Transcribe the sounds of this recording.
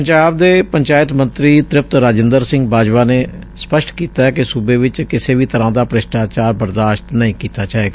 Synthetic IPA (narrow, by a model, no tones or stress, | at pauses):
əɲd͡ʒaːb̚d̪eːpəɲt͡ʃaːjɪt̪mənt̪ɾiːt̪ɾɪp̚t̪ɾaːd͡ʒɪnd̪əɾsɪ̃ŋɡbaːd͡ʒʋaːneː | spəʃʈkiːt̪aːɛkɪsubeːʋɪt͡ʃkɪseːʋiːt̪əɾãːd̪aːpɾɪʃʈaːt͡ʃaːɾbəɾd̪aːʃʈ̪nəĩːkiːt̪aːt͡ʃaːeːɡaː